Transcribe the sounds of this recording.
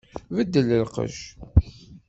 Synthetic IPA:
vəd̪ːəlːəlqə̰ʒ

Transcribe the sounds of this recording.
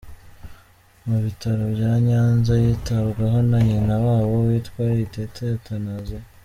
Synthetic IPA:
muβitaɾobjaːɲaːnzajiːtaβɡaɦo̞naɲinawaːβo̞wiːtwaːɾiitetʰetanaze

